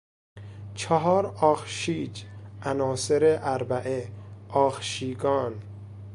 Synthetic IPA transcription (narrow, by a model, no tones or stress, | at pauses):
t͡ʃʰeɦɒːɾɒːxʃiːd͡ʒʔænɒːseɾeʔæɾbæʔeɒːxʃiːɡɒːn